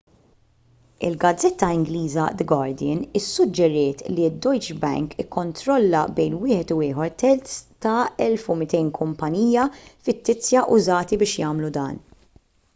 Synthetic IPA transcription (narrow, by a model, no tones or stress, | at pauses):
ɪ̰lɡɐd͡zːɛt̪ːɐɪŋɡliːzɐ̰d̪ɛɡɐɾd̪ɪnɪsːʊd͡ʒːɛɾɪːt̪lid̪ːɔjt͡ʃbɛ̰ŋkɪkːɔnt̪ɾɔlːɐ̰bɛjnwɪːħɛt̪ʊɪːħɔɾt̪ɛlt̪st̪ɐɛlfʊmɪt̪ɛjnkʰʊmpɐniːjɐfɪt̪ːɪt͡sjɐʔʊzɐːt̪ibɪːʃjɐːmlud̪ɐ̰ːn